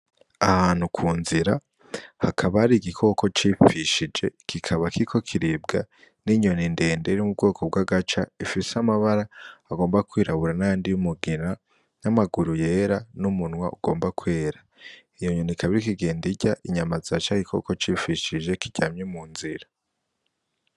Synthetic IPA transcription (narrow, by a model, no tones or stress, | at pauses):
ahaːnhukʰuːnziɾa | hakʰaβaɾiɡikʰo̞ko̞t͡ʃifiʃid͡ʒe̞kʰikʰaβakiikʰo̞kʰiɾib̚ɡa | niɲo̞ninde̞ːnde̞ɾimub̚ɡo̞ːkʰob̚ɡwaɡat͡ʃa̰ifisamaβaɾaːɡo̞ːmbakwiːɾaβuɾanajaːndijumuɡina | namaɡuɾuje̞ɾanumunwaʔuɡ̥o̞ːmbakwe̞ːɾa | ijoɲo̞nikʰaβiɾikiɡe̞ːndiɟaʔiɲamazat͡ʃaiɡikʰo̞̰ko̞t͡ʃiːfiʃid͡ʒe̞kiɟ̥aːmɲemuːnziɾa